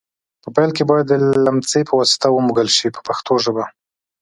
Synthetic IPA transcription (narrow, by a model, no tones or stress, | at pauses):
pəpajlkebɑjad̪ːəlamt͡sepəwɑsɪ̥t̪awəmuɡəlʃipə̥paxt̪oʒəba